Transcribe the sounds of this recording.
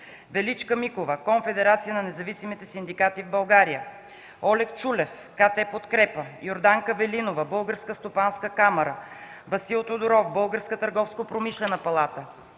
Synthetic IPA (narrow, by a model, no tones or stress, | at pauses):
vɛlit͡ʃkəmikovəkoɱfɛd̪ɛɾat̪sijənɐnɛzɐvisimit̪ɛsind̪ikat̪ivbɐlˠɡaɾijə | ɔlɛkt͡ʃulɛf | kat̪ɛpot̪kɾɛpəjoɾd̪aŋkəvɛlinovəbɤlˠɡəɾskəst̪opanskəkamɐɾə | vɐsilˠt̪od̪oɾɔfbɤlˠɡəɾskət̪ɐɾɡɔfskopɾomiʃlɛnəpɐlˠat̪ə